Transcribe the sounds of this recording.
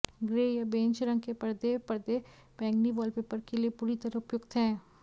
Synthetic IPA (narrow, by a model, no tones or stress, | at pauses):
ɡɾeːjɐbẽːnt͡ʃəɾə̃ŋɡkepɐɾd̪epɐɾd̪e | mɛ̃ːŋɡniʋɔːlpeːpəɾkeliepuːɾit̪ɐɾaʊpjʊɡt̪ɦɛ̃ː